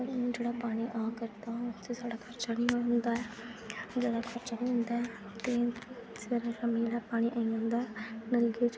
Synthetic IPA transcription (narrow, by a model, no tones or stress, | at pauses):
d͡ʒeːɽaːpaːɽ̃iːʔaːkəɾt̪aːt̪esaːɽaːkʰəɾt͡ʃaːnĩːɦond̪aːɛːd͡ʒeːɽaːkʰəɾt͡ʃanĩːɦʊ̃nd̪aːɛ | t̪eːseːɾaːɾəmiːlaːpaːɽ̃ĩːʔaːiãːnd̪aːɛːnəlɡi